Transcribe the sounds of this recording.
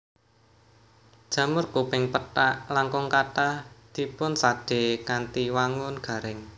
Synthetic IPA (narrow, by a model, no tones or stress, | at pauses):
d̥ʒ̥ä̤mʊrkupɪŋpəʈaʔlaŋkʊŋkaʈahd̪̥i̤pʊnsaɖ̥e̤kant̪iwaŋʊnɡ̥a̤ɾɪŋ